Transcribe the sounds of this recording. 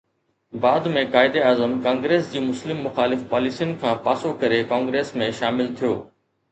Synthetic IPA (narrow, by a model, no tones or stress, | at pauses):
baːd̪mẽkaːɪd̪eaːzəmkãːŋɡɾeːsd͡ʑiːmʊslɪmːʊxaːlɪfpaːlisijʊnɪ̆kʰãːpaːsokɐɾekãːŋɡɾeːsmẽʃaːmɪlt̪ʰijo̰ː